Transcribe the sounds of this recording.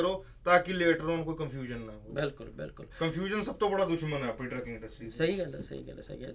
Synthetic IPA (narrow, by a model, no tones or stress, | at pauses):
əɾoː | t̪aːkileːʈəɾɔːmkoːikəmpʰjuːd͡ʒənlaɡobɪlkʊ̰lbɪ̰lkʊlkɐmpʰjuːd͡ʒənsɐb̚t̪obɐɽad̪ʊʃmənɦɛːpɾĩʈɾəːkɪ̃ŋɡɪ̃ɳɖəsʈɾiːsɐɦikɛlḛsɐ̰ḭkɛ̰l̰sɐ̰ḭkɛ̰